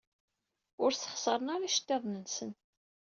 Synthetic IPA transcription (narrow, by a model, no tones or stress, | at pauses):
ʊɾθə̥χsəɾˤənaɾaʃt̪ːeðˤnənsən